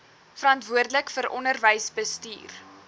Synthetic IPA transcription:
fəɾɐntvuərdələkfəɾʔɔnərvəjsbəstḭːr

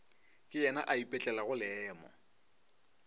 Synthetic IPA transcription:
kʼɪjɛna̰ʔaipʼɛt͡ɬʼɛlaɣʊlɪːmɔ̰

